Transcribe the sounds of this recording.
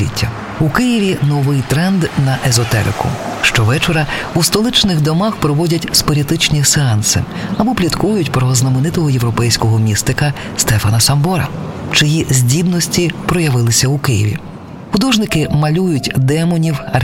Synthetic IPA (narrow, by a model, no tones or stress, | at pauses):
ḭtʲʰːɐ | ukɪjiʋʲinɔʋɪjt̪ɾɛnd̪nɐʔezɔt̪ɛ̰ɾɪ̰kʊ̰ʃt͡ʃɔʋɛt͡ʃɔɾɐust̪ɔlˠɪt͡ʃnɪɣd̪ɔmaxpɾɔʋɔdʲɐtʲspɔɾʲit̪ɪt͡ʃnʲiseɑnsɪ̰ɐbɔplʲit̪kujʊtʲpɾɔznɐmɪnɪt̪ɔɦɔjewɾɔpɛjsʲkɔɦɔmʲist̪ɪkɐ | st̪ɛfɐnɐsɐmbɔɾɐ̰t͡ʃɪjizʲdʲid̪nɔsʲtʲipɾɔjɐʋɪlˠɪsʲɐukɪjɪ̰ʋʲḭ | xʊd̪ɔʒnɪkɪmɐlʲujʊtʲd̪ɛmɔnʲiwɐ